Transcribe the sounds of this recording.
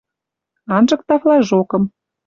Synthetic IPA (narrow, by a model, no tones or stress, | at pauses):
ɑnʒɤ̆k̚t̪ɑflɑʒokɤ̆m